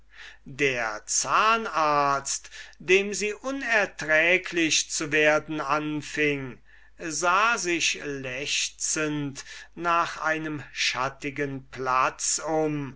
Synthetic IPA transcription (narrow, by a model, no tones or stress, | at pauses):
deːɐt͡saːnaɐtstd̥eːmziːʔʊnɛɐtʁɛːkʰlɪʃt͡suveːɐdn̩anfɪŋ | zaːzɪʃlɛʃt͡səntnaːχa̰ɪnəmʃatɪɡənplat͡sʊm